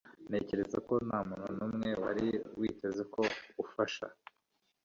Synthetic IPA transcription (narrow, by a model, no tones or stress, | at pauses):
ne̞ːce̞ɾe̞zako̞naːmuːnhunuːmŋe̞waɾiwiːtʰe̞ze̞kʰo̞ufaʃa̰